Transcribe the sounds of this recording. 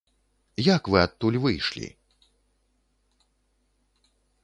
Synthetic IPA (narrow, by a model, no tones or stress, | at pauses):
jakvɨat̪̚ːulʲvɨjʂlʲḭ